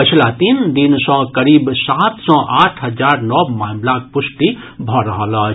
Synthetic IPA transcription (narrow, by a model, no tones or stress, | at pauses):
pət͡ʃʰlat̪ind̪insɔ̃kəɾiːbsaːt̪sɔ̃ʔaːʈʰɦəd͡ʒaːɾnɔbmaːmlak̚pʊsʈi | bʱɔɾɐɦəlaːt͡ʃ